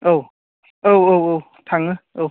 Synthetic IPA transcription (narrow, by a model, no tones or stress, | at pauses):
ʔow | ʔowowow | t̪ʰaŋəʔo